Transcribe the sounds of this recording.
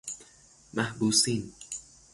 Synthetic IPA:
mahbuːsin

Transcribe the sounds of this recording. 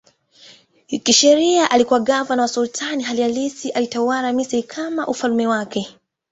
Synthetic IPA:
kiʃɛɾiaʔalikuwaɡavanawasultʰaniɦalialisiʔalitawaɾamisiikʰamaʔufalumɛwakɛ

